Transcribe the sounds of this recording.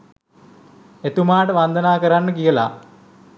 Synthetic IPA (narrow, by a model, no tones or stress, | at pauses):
et̪umaːʈəʋɐnd̪ʱɐnaːkɐɾanːɨkijɐla̰